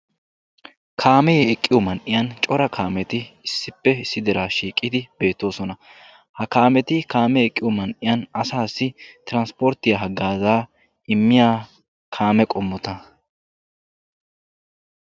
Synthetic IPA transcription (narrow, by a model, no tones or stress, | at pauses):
kʰaːmɛɛkʼːɪjɔmɐnʔɪjɐnt͡ʃʼɔɾɐkʰaːmɛt̪ɪɪsːɪpːɛɪsːɪd̪ɛɾaːʃiːkʼːɪd̪ɪbe̞ːt̪ːo̞ːsɔnɐ | hɐkaːmɛt̪ɪkaːmɛɛkʼːɪjɔmɐnʔɪjɐnɐsaːsːɪt̪ɪɾɐnspɔɾt̪ːɪjɐɦɐɡːaːzaː | ɪmːɪjaː | kʰaːmɛkʼɔmːɔt̪ɐ